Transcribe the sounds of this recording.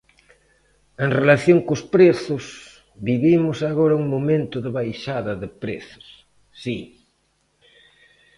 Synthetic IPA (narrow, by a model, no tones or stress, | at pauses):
eŋrelaθjoŋkʊspɾeθʊs | βiβimʊsaɣoɾɐuŋmomẽnt̪ʊðɪβajʃaðɐðɪpɾḛθʊ̥sː | i